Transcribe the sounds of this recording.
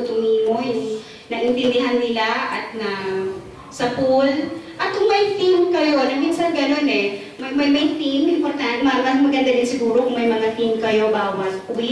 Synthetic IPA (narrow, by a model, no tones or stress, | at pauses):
t̪ʊŋmimohɛ | nɐʔɪnt̪ɪnd̪ɪɦanːɪlaʔɐt̪̚nɐ | sɐpolʔɐt̪̚kʊŋmɐjt̪imkɐjonɐmɪnsanɡɐno̞nɛ | mɐmɐjmɐjt̪imɪmpoɾt̪anmaɡɐmɐɡɐnd̪ad̪ɪnsɪɡuːɾokʊŋmɐjmɐŋat̪imkɐjo̞baːwasʊl